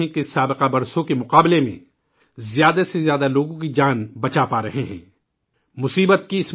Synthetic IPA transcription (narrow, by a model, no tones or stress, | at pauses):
ẽkesaːbɪqabɐɾsõkemʊqaːblemḛ̃ | zjaːd̪asezjaːd̪aloːɡõkid͡ʒaːnbɐt͡ʃapaːɾɐɦeɦɛ̰̃ː | mʊsiːbət̪̚kiɪs